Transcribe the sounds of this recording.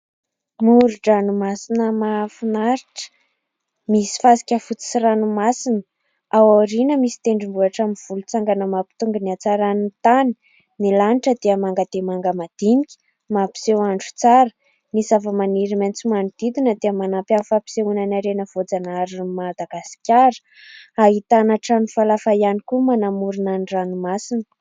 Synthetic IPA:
muɾuɖ͡ʐanumasinəmafunaɾiʈ͡ʂə̥ | misi̥fasi̥kʲəfut͡si̥siɾanumasinə | awaɾinəmisi̥t̪eɳɖ͡ʐimbuaʈ͡ʂamiv̥ulut͡saŋɡanəmapi̥t̪uŋɡəniat͡saɾanit̪ani̥ | nilaniʈ͡ʂəd̪eəmaŋɡad̪̥emaŋɡəmad̪̥inikʲi̥ | mapi̥sewaɳɖ͡ʐu̥t͡saɾə̥ | misavəmaniɾiment͡simaɳud̪̥id̪inəd̪eəmanampʲanfapi̥seunanaɾenəv̥od͡zanaɾimad̪aɡasi̥kʲaɾə̥ | aɦit̪anaʈ͡ʂanifalafajanikumanamuɾunaniranumasinə

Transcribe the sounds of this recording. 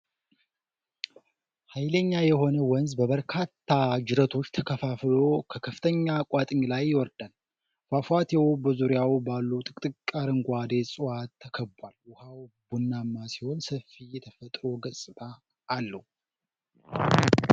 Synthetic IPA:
hajləɲːajɛho̞nəwɔnzbəβəɾkʰat̪ʰːad͡ʒɪɾət̪ʰo̞t͡ʃːt̪ʰəkʰəfaflo̞kʰəkʰəfɨ̥t̪ʰəɲːakʷʼwat̪ʼɨɲlajːɪwɔɾd̪al | fafat̪ʰewobəzuɾɪjawbalːut̪ʼɨkʼt̪ʼɨkʼːaɾɨŋɡʷad̪e̞sʼɨwat̪ʰːəkʰəbwalwʊhawbunːamːasiho̞nsəfijɛt̪ʰəfət̪ʼɾo̞ɡəsʼɨt̪ʼaː | lːəhu

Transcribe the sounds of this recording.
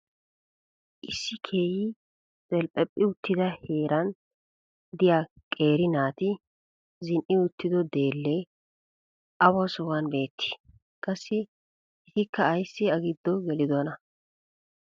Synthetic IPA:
ʔɪsːɪkʰeːjɪ | zʼɛlpʼɛpʼːɪʊt̪ːɪd̪ɐhe̞ːɾʔɐn | d̪ɪja | kʼe̞ːɾɪnaːt̪ɪ | zɪnʔɪʊt̪ːɪd̪ɔd̪e̞ːlːɛ | ɐwɐsɔwɐnbe̞ːt̪ʰːɪ̥ | kʼɐsːɪ | ʔɪt̪ɪkːɐːjsːɪɐɡɪd̪ːɔɡɛlɪd̪ɔnɐ

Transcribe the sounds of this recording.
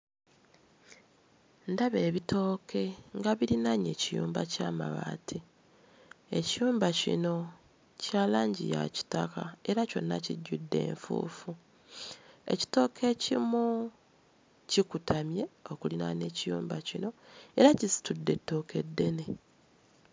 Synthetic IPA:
ndaβe̞ːβitʰo̞ːkʰe̞ŋɡaβiɾinaɲe̞̰ːcijuːmbacaːma̰βa̰ːtʰi | e̞cijuːmbacḭno̞ | caːlaːɲɟija̰ci̥takae̞ɾaco̞̰nːa̰ciɟːudːe̞̰ːɱfṵːfu | e̞̰ci̥to̞ːkʰe̞ːcimu | cikutamje̞o̞kulinane̞cijuːmbacino̞e̞ɾacisi̥tudːe̞tːo̞ːke̞dːe̞ne

